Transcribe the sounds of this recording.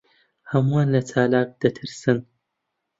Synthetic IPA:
hɐmuanlɐt͡sʰaːlaːk̚d̪̥ɐt̪ʰɨɾsɨn

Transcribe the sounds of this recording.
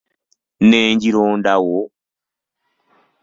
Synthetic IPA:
neːɲɟiɾoːndawo

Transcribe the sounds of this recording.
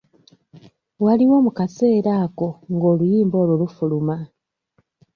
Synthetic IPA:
waliwo̞ːmukase̞ːɾaːko̞ŋɡo̞ːlujiːmbo̞ːlolufuluma

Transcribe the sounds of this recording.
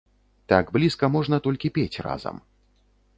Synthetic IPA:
t̪aɡblʲiskɐmɔʐn̪ɐt̪ɔlʲkʲipʲet͡sʲra̰zɐ̰m

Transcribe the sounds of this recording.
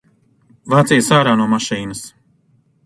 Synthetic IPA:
vaːt̪sijəsaːɾaːnuɔmaʃiːnɨs

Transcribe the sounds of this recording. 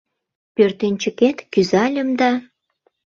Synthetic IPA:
pørt̪ent͡ɕə̆ket̪kyzɑlʲə̆md̪ɑ

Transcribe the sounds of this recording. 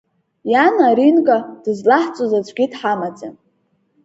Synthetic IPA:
janaɾinkʼad̥ɨzlaħt͡sʷʼozat͡ɕʷʰʼɡʲidħamat͡sʼa̰n

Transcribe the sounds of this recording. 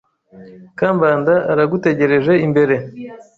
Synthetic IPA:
kaːmbaːndaʔaɾaɡute̞ɟe̞ɾe̞ʒe̞imbe̞ɾe̞

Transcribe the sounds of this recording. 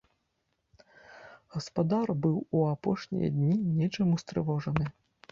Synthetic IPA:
ɣɐspad̪arbɨwuapɔʂnʲḭjɐ̰d̪ʲnʲinʲɛt͡ʂɨmust̪ɾɨ̰vɔʐɐnɨ

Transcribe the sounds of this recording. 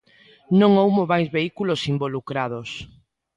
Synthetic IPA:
nõŋowmoβajzβeikulosimbolukɾað̞os

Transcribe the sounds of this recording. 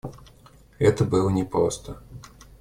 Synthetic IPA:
ɛt̪əbɨlˠənʲɛpɾo̰st̪ə

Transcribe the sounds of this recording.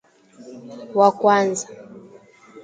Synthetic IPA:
wakwanza

